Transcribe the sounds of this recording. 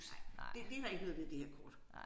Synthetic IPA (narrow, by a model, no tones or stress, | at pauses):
sɑɪd̥ed̥e̝hɑe̝ɡ̥ʋeːðˠʋːð̩ˠd̥e̝heɐ̰kʰɒ̰ːd̥